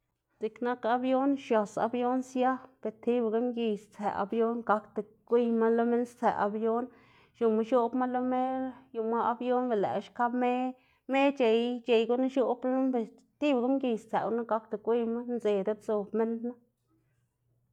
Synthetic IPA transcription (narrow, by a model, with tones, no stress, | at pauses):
zi˨kna˦ka˦bjo˦nʃja˨sa̰˧bjo˦nsja˦b̥e˨t̪i˦bɡa˦mɡi˨˧st͡sæ̰˨ʔa̰˨bjo˦nɡa˧kt̪e˨ | kʷi˦jma˦lo˦me˦nst͡sæ̰˨ʔa̰˧bjo˦n | ʃu˨ma˧ʃo˦bma˦lo˦me˦ju˧ma˦a˧bjo˦nbe˨læ̰˨ʃka˦bme˦ | me˦t͡ʃe˨jt͡ʃe˨jɡu˦na˦ʃo˦blo˦mbe˨ | t̪i˦bɡa˦mɡi˧st͡sæ̰˨wna˦ɡa˦k̚t̪e˨kʷi˦jma˦nze˨d̪e˦bso˨bme˦nd̪na˦